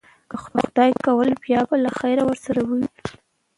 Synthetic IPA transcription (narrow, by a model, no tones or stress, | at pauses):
kəxʊxʊd̪ɑjkawəlbjɑbalaxajɾawəɾsaɾawəwi